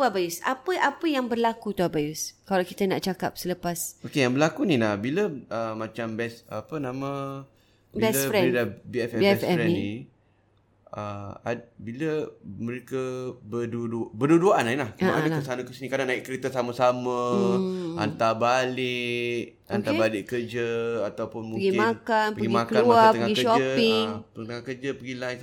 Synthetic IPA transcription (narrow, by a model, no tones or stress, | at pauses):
abajusapəʔapəjaŋbərlakut̪uabajuskalawkit̪ənaʔt͡ʃakap̚sələpasokejaŋbərlakunilahbiləəmat͡ʃambɛsapənãmə̃ | biɛləɾɛɾedabiɛfɛbiɛsɛɾɛnini | əabiləməɾekəbədudubəduduaʔanailahknakəsanakəsinikadanaɪʔkəɾet̪əsaməsamə | a̰nt̪abalɪʔʔ | ank̪abalɪʔkərd͡ʒəat̪awpʊnmuəɡimakanpəɡimakəanuaəŋaɡikəʃɔəpɪŋət̪əŋahkəd͡ʒəpəɡila